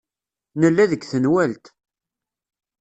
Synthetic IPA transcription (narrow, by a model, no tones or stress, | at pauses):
nəlːæðəɡθənwælt̪